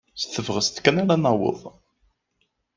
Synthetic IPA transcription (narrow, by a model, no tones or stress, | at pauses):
sθəvʁəst̪kːænaɾanɑwə̰ðˤ